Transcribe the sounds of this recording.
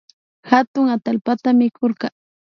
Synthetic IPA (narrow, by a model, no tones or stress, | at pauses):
hat̪ʊŋat̪alpat̪amɪkʰoɾkɑ